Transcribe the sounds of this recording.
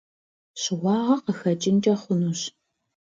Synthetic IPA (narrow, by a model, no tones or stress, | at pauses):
ɕɪʁʷɑːʁɐqəxɐt͡ʃʼɪnt͡ʃʼɐχʷʊnuɕ